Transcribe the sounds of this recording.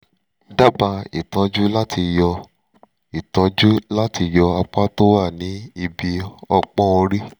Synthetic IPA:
da˦ba˧i˨tã˧d͡ʒu˦la˦tʰi˧jɔ˧ | i˨tã˧˦d͡ʒu˦la˦ti˧jɔ˧a˧k͡pa˦to˦wa˦˨nĩ˨˦i˧bi˧ɔ˧k͡pɔ̃˦o˧ɾi˦

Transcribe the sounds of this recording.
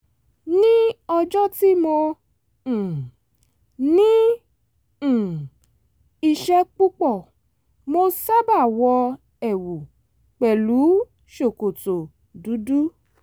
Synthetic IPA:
nĩ˦ɔ˧d͡ʒɔ˦ti˦mõ˧˨ | nĩ˦˨ | i˧ʃɛ˧k͡pu˦k͡pɔ˦˨ | mo˧sa˦ba˦˨wɔ˧ | ɛ˨wu˨ | k͡pɛ˨lu˨˦ | ʃo˨ko˨to˨ | du˨˦du˦

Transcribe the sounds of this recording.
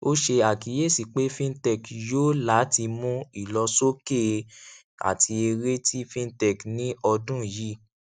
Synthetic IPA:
o˦ʃe˧a˨ki˨˦je˦˨si˨k͡pe˨˦fĩ˦n˦tɛ˦˨kjo˦la˨˦ti˧mũ˦i˨lɔ˧so˦ke˦˨ | a̰˨tʰi˧e˧ɾe˦tʰi˦fĩ˦n˦tɛ˨knĩ˦ɔ˧dũ˦˨ji˦

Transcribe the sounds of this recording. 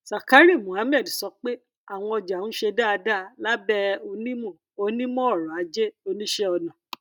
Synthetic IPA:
sa˨ka˨˦ɾi˦˨mũ˨ha˨˦mɛ˦˨dsɔ˧k͡pe˦ | a˦˨w̃ɔ̃˧ɔ˧d͡ʒa˨ũ˦ʃe˧da˦a˧da˦˧la˦bɛ˦o˧nĩ˦mɔ̃˦˨ | o˧nĩ˦mɔ̃˦˨ɾɔ˨a˨˦d͡ʒe˦o˧nĩ˦ʃɛ˦ɔ˧nã˨

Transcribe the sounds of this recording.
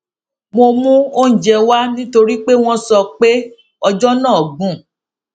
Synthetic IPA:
mo˧mũ˦o˦n̩˨d͡ʒɛ˧wa˦nĩ˦to˧ɾi˦k͡pe˦w̃ɔ̃˦sɔ˧k͡pe˦ | ɔ˧d͡ʒɔ˦nãː˦˨ɔ˨ɡũ˨˦

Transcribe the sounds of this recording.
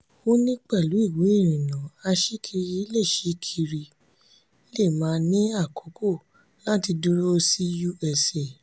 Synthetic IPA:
o˦nĩ˦k͡pɛ˦˨lu˨˦i˦˨we˨˦e˦˨ɾ̃ĩ˨nã˨a˧ʃi˦kʰi˧ɾi˦le˦˨ʃi˨˦kʰi˧ɾi˧˦ | le˦˨mãː˨˦nĩ˦a˦˨kʰo˨˦ko˦˨ | la˦ti˧du˦ɾo˦˧si˦ju˦ɛ˨se˨

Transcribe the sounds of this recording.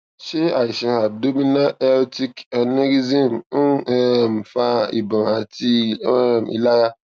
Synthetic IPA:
ʃe˦a˨i˨ʃĩ˨ha˨b̚do˦mĩ˦nã˦ʔɛ˦lti˦ka˨ne˦ɾi˦zĩ˦m˦ɛ˦˨m˨fa˦ḭ˨bã˨a˨ti˦˨mḭ˨la˦ɾa˦

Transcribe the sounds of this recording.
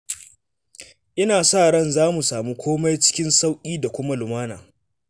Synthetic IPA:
ʔɪ˦naː˨saː˦˨ɽɐ˦˨nzaː˦mu˨saː˨mu˦kʷoː˦ma˦jt͡ʃɪ̥˦kʲɪ˦nsa˦wkʲʼiː˦da˨kʷʊ˦ma˦lʊ˨maː˦na̰ː˨

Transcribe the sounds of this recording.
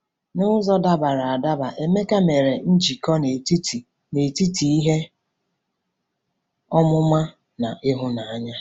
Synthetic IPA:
nʊ˦ʊ˦zɔ˦da˦ba˨ɾa˨a˨da˦ba˨ʔe˨me˦ka˦me˨ɾe˨n̩˦d͡ʒi˨kɔ˦ne˨ti˦t | ne˨ti˦ti˨i˦ɦe˦ | ɔ˦mʊ˦ma˦ | na˨ʔɪ˦ɦʊ˦na˨a˦ɲa˦

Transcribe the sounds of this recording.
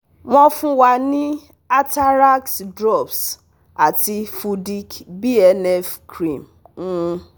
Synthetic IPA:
mɔ̃˦fũ˦wa˨nĩ˦ | a˦ta˦ɾa˦ksdɾɔ˦˨bs | a˨ti˧fu˧di˦kbi˦ɛ˨nɛ˦fkɾĩ˨m̩˦

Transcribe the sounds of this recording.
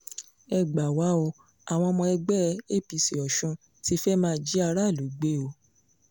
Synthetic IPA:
ɛ˧˨ɡ͡ba˨wa˨˦o˧ | a˨w̃ɔ̃˧mɔ̃˧ɛ˧ɡ͡bɛ˦e˦˨pi˨˧si˨ɔ˨ʃũ˧ | ti˧˦fɛ˦mãː˦˧˦d͡ʒi˦a˧ɾa˦˨lu˨˦ɡ͡be˦˨o˨˦

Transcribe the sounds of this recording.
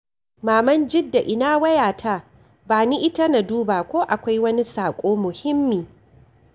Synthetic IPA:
maː˨mɐ˦nd͡ʒɪ˦dːa˨ʔɪ˨naː˦wɐ˦jaː˨tʰa˦ | baː˨ni˦ʔɪ˦ta˦na˨duː˦baː˨kʷoː˦ʔa˨kʷa˦jwɐ˦ni˦saː˨kʷʼoː˦mʊ˨hɪ˦mːiː˨

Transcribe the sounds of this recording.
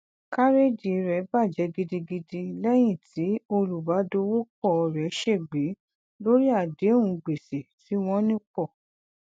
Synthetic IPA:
ka˦ɾe˦d͡ʒi˨˧ɾɛ˨˦ba˦˨d͡ʒɛ˨˧˦ɡi˧di˧ɡi˧di˧lɛ˦j̃ĩ˦˨tʰi˨˦o˧ɾu˨ba˨˦do˧˦wo˦k͡pɔ˦˨˧ɾɛ˨˦ʃe˦˨ɡ͡be˨˦ | lo˦ɾi˦a˦˨de˨˦ũ˨˧ɡ͡be˨se˨ti˨˦w̃ɔ̃˧nĩ˦k͡pɔ˦˨

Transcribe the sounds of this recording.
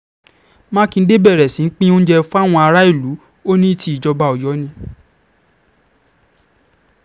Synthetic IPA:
mã˦kĩ˧n̩˦de˦bɛ˦˨ɾɛ˨sĩ˨˦n̩˦k͡pĩ˦o˦ñ̩˦d͡ʒɛ˧fu˦a˦˨w̃ɔ̃˧a˧ɾa˦i˦˨lu˨˦ | o˦nĩ˦ti˦˨d͡ʒɔ˧ba˧˨ɔ˨jɔ˨˦nĩ˧

